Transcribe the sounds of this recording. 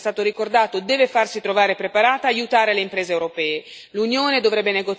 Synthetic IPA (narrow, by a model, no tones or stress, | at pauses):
st̪aːt̪oɾikord̪aːt̪od̪ɛːvefarsit̪ɾovaːɾepɾepaɾaːt̪aːjut̪aːɾeleimpɾɛːzeːwɾopɛːe | lunjoːned̪ovɾɛbːeneɡot